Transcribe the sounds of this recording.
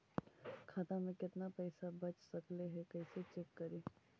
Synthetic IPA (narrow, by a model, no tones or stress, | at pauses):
kʰaːt̪amẽkɪt̪napəɪsabət͡ʃsəkleɦɛkəɪset͡ʃekːəɾi